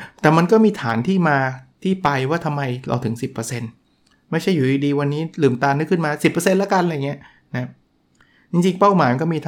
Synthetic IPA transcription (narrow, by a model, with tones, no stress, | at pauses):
t̪ɛː˨˩ma˧nkɔː˥˩miː˧t̪ʰaː˩˦nt̪ʰiː˥˩maː˧t̪ʰiː˥˩pa˧jwaː˥˩t̪ʰa˧mːa˧jlɔ̰˨˦wt̪ʰɯ˩˦ŋsi˨˩pːɤː˧se˧n | ma˥˩jt͡ɕʰa˥˩juː˨˩ʔiː˧diː˧wa˧nːiː˦˥lɯː˨˩mt̪aː˧nɯ˦˥kʰːɯ˥˩nmaː˧si˨˩pːɤː˧se˧nlaː˦˥ka˧nlja˨˩ŋi˦˥ɐ | na˦˥ | t͡ɕi˧ŋt͡ɕi˧ŋpa˥˩wmaː˨˦jkɔ˥˩miː˧t̪ʰa